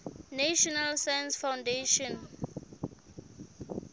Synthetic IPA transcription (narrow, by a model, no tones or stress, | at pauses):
naʃɔnalsaj̃nsfãwndeʃɔ̃n